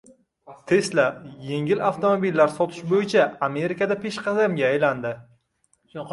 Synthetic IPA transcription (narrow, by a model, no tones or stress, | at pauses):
t̪ʰe̞slaje̞ŋɪlaft̪ʰomobilːaɾsɒt̪ʰɪ̥ʃbojɪt͡ʃʰaame̞ɾikad̪apʰe̞ʃqʰɑzamɡʲaːjland̪ɪ